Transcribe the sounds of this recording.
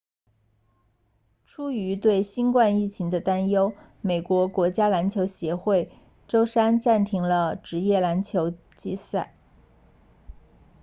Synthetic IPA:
ʈ͡ʂʰu˥y˧˥t̪we˥˩ɪɕi˥nkwa˥˧ni˥˩t͡ɕʰi˧˥ŋd̪ə˧t̪a˥njo˥ʊ | me˨˩ɪkwɔ˧˥kwɔ˧˥t͡ɕja˥la˧˥nt͡ɕʰjo˧˥ʊɕjɛ˧˥xwe˥˩ɪ | ʈ͡ʂo˥ʊʂa˥nʈ͡ʂa˥˩nt̪ʰi˧˥ŋlə˧ʈ͡ʂɻ̩˧˥jɛ˥˩la˧˥nt͡ɕʰjo˧˥ʊ | t͡ɕi˥˧sa˥˩ɪ

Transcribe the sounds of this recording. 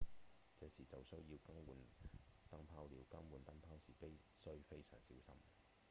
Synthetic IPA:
t͡sɛː˨˥siː˨˩t͡sɐ˨wsɵ˥ɥjiː˧wkɐ˥ŋwuː˨nt̪ɐ˥ŋpʰaː˥wliː˨˧wkɐ˥ŋwuː˨˩nt̪ɐ˥ŋpʰaː˥wsiː˨˩pi˥jsɵ˥ɥfe˥jsœː˨˩ŋsḭː˨˥wsɐ̰˥m

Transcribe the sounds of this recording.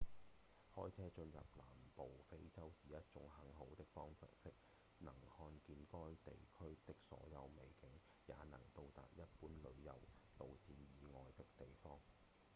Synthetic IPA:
hɔː˥jt͡sʰɛː˥t͡ʃɵ˧njɐ̰˨p̚laː˨˩mpo˨wfe˥jt͡sɐ˥wsiː˨˥jɐ˥t̚t͡sʊ˨˥ŋhɐ˨˥ŋɦo˨˥wt̪ɪ˥k̚fɔː˥ŋfɐ̰˨t̚sɪ˥k̚ | nɐ˨˩ŋhɔː˧nkiː˧nkɔː˥jt̪ḛ˨jkʰɵ˥ɥt̪ɪ˥k̚sɔ̰ː˨˥jɐ˨˧wme˨jkɪ˨˥ŋ | ja̰ː˨˧nɐ̰˨˩ŋt̪o˧wt̪a̰ː˨t̚jɐ˥t̚puː˨˥nlɵ˨˧ɥjɐ̰˨wlo˨wsiː˧njiː˨˧ŋɔː˨˧jt̪ɪ˥k̚t̪e˨jfɔː˥ŋ

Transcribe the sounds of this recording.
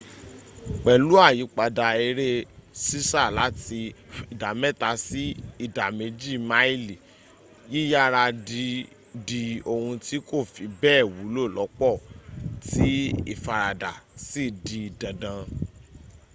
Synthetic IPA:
k͡pɛ˨lu˦a˦˨ji˨˦k͡pa˧da˧i˧ɾe˦si˦sa˦˨la˨˦ti˧i˨da˨mɛ˦˨ta˧si˦i˦˨da˨me˨˧d͡ʒi˦˨ma˦i˦li˨ | ji˦ja˦ɾa˧di˧ | di˧o˧hũ˧ti˦ko˦˨fi˨˧˦bɛː˦˨wu˨˦lo˦˨lɔ˨˦k͡pɔ˦˨ti˦ḭ˦˨fa˨ɾa˨da˨si˦˨di˧i˨dã˨dã˨˧

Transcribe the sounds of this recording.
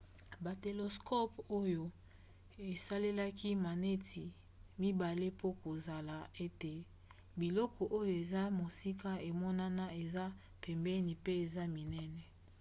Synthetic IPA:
ba˨te˨lo˨skɔ˦po˦jo˨ | e˨sa˦le˦la˦ki˦ma˨ne˦tʰi˨ | mi˦ba˨le˦po˦ko˨za˨la˨e˦te˨ | bi˨lɔ˦kɔ˨ʔo˦jo˨e˨za˦mo˨si˦ka˦e˨mɔ˦na˦na˦e˨za˦ | pɛ˨mbɛ˦ni˨pe˦e˨za˦mi˨nɛ˦nɛ˨

